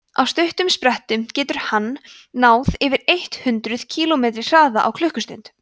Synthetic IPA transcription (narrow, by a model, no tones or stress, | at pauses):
a̰wst̪œɥht̪ʏmspɾɛht̪ʏmcɛːt̪ʏɾ̥hanː | aːwðɪvɪɾejht̪hʏnt̪ɾʏð̥cʰiːlɔmeːt̪ɾɪ̥r̥aːða̰ʔa̰wkʰlʏhkʏst̪œ̰ɥnt̪